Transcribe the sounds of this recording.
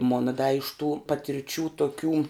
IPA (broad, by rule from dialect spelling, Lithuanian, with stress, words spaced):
ˈmoːnɐ dɐ ɪʃ tuː pɐtʲɪrʲˈt͡ʃʲuː toːˈkʲuː